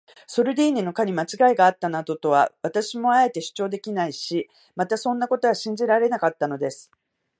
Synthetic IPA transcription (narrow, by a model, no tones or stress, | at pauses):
so̞ɾɯ̟d̪eːnino̞kaɲ̟imat͡ɕiɡaiɡaːt̪ːanad̪o̞t̪o̞βa̰βat̪aɕimo̞ae̞t̪e̞ɕɨ̥t͡ɕo̞ːd̪e̞kʲinaiɕi | mat̪asõ̞nːako̞t̪o̞βaɕĩɲ̟d͡ʑiɾaɾe̞nakat̪ːano̞d̪e̞sɨ̥